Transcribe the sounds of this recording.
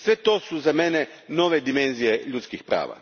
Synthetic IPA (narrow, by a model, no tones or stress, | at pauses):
sɛt̪ːɔsuzamɛːnɛ | nɔːved̪imɛnsiɛʎut̪skixpɾa̰ːva̰